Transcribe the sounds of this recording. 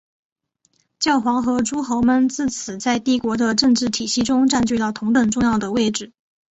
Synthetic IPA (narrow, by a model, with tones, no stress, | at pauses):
t͡ɕjɑ˥˩ʊxwɑ˧˥ŋxɤ˧˥ʈ͡ʂu˥xo˧˥ʊmə˧nt͡sɹ̩˥˩t͡sʰɹ̩˨˩t͡sa˥˧ɪt̪i˥˩kwɔ˧˥d̪ə˧ʈ͡ʂɤ˥˧ŋʈ͡ʂɻ̩˥˩t̪ʰi˨˩ɕi˥˧ʈ͡ʂʊ˥ŋʈ͡ʂa˥˧nt͡ɕy˥˧t̪ɑ˥˩ʊt̪ʰʊ˧˥ŋt̪ə˨˩ŋʈ͡ʂʊ˥˧ŋjɑ˥˩ʊd̪ə˩we˥˩ɪʈ͡ʂɻ̩˥˩